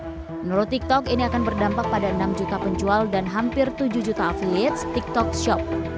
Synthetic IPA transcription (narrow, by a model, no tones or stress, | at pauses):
nɾot̪ik̚t̪ɔkiniakanbərdampak̚padaənamd͡ʒut̪apəɲd͡ʒualdanɦampɪrt̪ud͡ʒuhd͡ʒut̪aːfiliɛt̪st̪ik̚t̪ɔk̚ʃɔp̚